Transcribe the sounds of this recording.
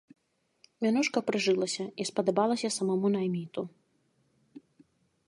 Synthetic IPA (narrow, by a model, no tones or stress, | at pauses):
mʲanuʂkɐpɾɨʐɨlˠɐsʲɐispɐd̪abalˠɐsʲɐsɐmamunajmʲit̪u